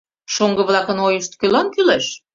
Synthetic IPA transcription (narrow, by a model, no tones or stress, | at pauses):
ʃoŋɡɤ̆βlˠɑkə̆nojəʃt̪kølɑnkyleʃ